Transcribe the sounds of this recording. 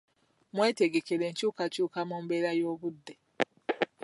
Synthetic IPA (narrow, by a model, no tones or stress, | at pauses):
mwe̞ːte̞ɡe̞keɾe̞ːɲcuːkacuːkamuːmbe̞ːɾajo̞ːβudːe